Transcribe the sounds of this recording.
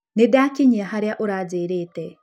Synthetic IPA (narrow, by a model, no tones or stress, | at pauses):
nedakiɲiaɦaɾjaʔoɾad͡zeɾeːtɛ